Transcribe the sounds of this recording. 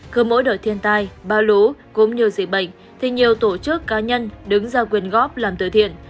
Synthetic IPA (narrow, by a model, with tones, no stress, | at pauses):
kɨː˨˧˦mo̰˧˥jɗəː˧˩t̪ʰi˧ənt̪aː˧jɓaː˧lu˨˦ku˨˦mɲi˨˩əwzḭ˧˩ɓə̰˧˨jŋ̟ | t̪ʰi˨˩ɲi˨˩əwt̪o˧˩t͡ɕɨ˦˥əkːaː˨˦ɲə˧nɗɨ˨˦ŋzaː˧kwi˨˩ənɣɔ˦˥p̚laː˨˩mt̪ɨ̰˧˩jt̪ʰḭ˧˨ən